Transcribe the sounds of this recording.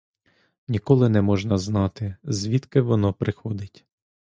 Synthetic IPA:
nʲikɔlˠɪnɛmɔʒnɐznɑt̪ɪzʲʋʲit̪kɪʋɔnɔpɾɪxɔd̪ɪtʲ

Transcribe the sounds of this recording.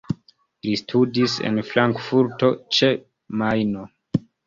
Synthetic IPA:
listʰudisḛnflaŋkfuɾto̞t͡ʃe | majno

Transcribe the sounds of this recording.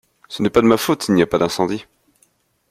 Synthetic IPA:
sənɛpad̪əmafot̪ilnijapad̪ɛ̃sɑ̃d̪i

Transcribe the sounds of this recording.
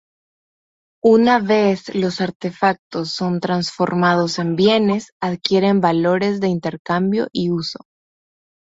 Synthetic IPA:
unaβe̞slo̞saɾt̪e̞fak̚t̪o̞sːo̞nt̪ɾansfo̞̰ɾmað̞o̞se̞mbje̞ne̞saðkje̞ɾe̞mbalo̞ɾe̞zðe̞int̪e̞ɾkambjo̞̰ʔiuso̞̥

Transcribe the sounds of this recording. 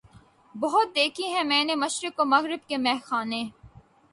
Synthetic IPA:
bɐɦʊt̪̚d̪eːkʰiɦɛ̃mɛ̃ːnemɐʃɾɪkomɐɣɾɪb̚kemɛɦxaːnẽː

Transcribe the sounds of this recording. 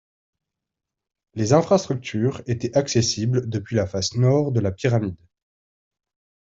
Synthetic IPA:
lezɛ̃fχast̪χyk̚t̪ʰyʁet̪ɛʔaksesibld̪əpɥilafasnɔʁd̪əlapiʁamid̪

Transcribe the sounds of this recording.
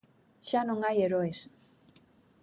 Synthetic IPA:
ʃanoŋajeɾoes

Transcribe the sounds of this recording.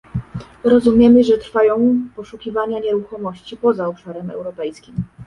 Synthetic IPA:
ɾɔzumʲjɛmɘʐɛt̪ɾfajɔ̃w̃pɔʂukʲivaɲaɲɛɾuxɔmɔɕt͡ɕipɔzaɔpʂaɾɛmɛ̰wɾɔpɛjskʲim

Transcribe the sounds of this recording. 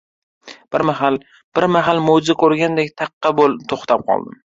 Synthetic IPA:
b̥ɪɾmaɦal | b̥ɪɾmaɦalmod͡ʒzakʰɵɾɡʲand̪ekʲt̪ʰɑqːɑbolt̪ʰoχt̪ʰap̚qʰɒ̰lˠd̪ɪm

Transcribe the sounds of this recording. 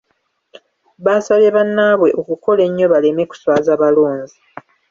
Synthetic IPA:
βasaβeβanːaβwe̞ʔo̞kuko̞le̞ɲːo̞βale̞me̞ku̥swaːzaːβaloːnzi

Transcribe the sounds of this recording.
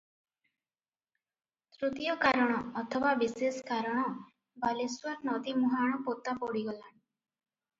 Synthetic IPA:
t̪ɾut̪ijɔkaɾɔɽ̃ɔːt̪ʰɔbabiseskaɾɔɽ̃ɔ | baliswaɾnɔd̪imuɦaɽ̃ɔpot̪apɔɽiɡɔlaɳ

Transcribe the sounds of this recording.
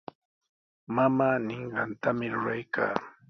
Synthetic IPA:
mamaːnɪɴɢɑnt̪amɪɾʊɾajkʰa̰ː

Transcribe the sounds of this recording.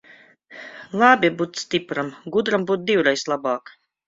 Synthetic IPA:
lˠaːbʲibuːt̪st̪ʲipɾamɡud̪ɾambuːt̪̚d̪iwɾɛjslˠabaːk

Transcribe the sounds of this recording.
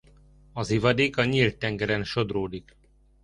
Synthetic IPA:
ɒzivɒd̪eːkɒɲilt̪ːɛŋɡɛɾɛnʃo̞d̪roːd̪ik

